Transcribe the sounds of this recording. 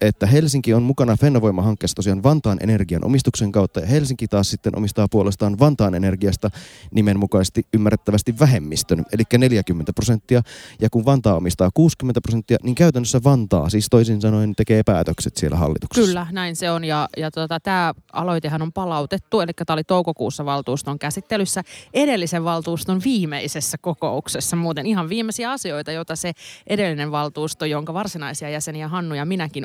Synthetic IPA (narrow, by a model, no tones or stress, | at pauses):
et̪ːæɦelsiŋkionmukɑnɑfenːɑʋo̞imːɑɦɑŋkːˑeːsːɑt̪o̞siɑːnʋɑnt̪ɑːnʔḛnerɡiɑ̰nʔo̰mist̪ukseŋkɑwt̪ːɑjɑhelsiŋkit̪ɑːssit̪ːenʔo̰mist̪ɑːpuolest̪ɑːnʋɑnt̪ɑːnenerɡiɑst̪ɑnimenmukɑisest̪iʔymːærːet̪ːæʋæst̪iʋʋæɦemːist̪ønelikːæneljækymːent̪æprosent̪ːiɑjɑkunʋɑnt̪ɑːo̰mist̪ɑːkuːskymːent̪æpros̬et̪ːiɑniŋkæyt̪ænːøsːæʋɑnt̪ɑ̰ːsiːst̪oisinsɑno̞ijnt̪e̞keːpæːt̪økset̪sielːʔæ̰ɦɑ̰lːit̪u̥kskyslːænæinseonjɑjɑt̪uot̪ɑt̪æːɑ̰lo̞it̪eɦɑnompɑlɑut̪et̪ːuelikːæt̪æːolit̪oukokṵːsːɑʋɑlt̪uːst̪oŋkæsit̪ːelysːæedelːiseʋʋɑlt̪uːst̪onʋiːmeisesːækokouksesːɑmuːt̪eniɦɑʋʋiːmːesiæɑsioit̪ɑjot̪ɑseʔedelːineʋʋɑlt̪uːst̪ojoŋkɑʋɑrsinɑisiɑjæseniæɦɑnːujɑminækin